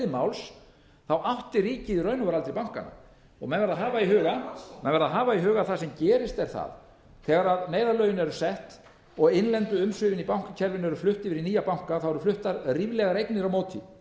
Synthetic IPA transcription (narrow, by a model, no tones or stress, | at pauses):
mawls | θawʔawht̪ɪɾiːcɪirœɥnʏvaɾalt̪ɾɪpawŋ̥ka̰nːa̰ | ɔ̰ɣmɛnvɛɾðaɦaːvaiɦœːɣamɛnvɛɾðaɦaːvaiɦœːɣaθasɛmcɛːɾɪst̪ɛɾ̥θa̰ð | θɛːɣaɾaðneːjðaɾlœːɥjɪnɛɾʏsɛht̪ | ɔɣɪnlɛnt̪ʏʏmsʏːvɪnipawŋ̥kacʰɛɾvɪnɛɾʏflʏht̪ɪvɪɾiniːjapawŋ̥kaθawɛɾʏflʏht̪aɾriːvlɛɣaɾejknɪɾawmowt̪ʰḭ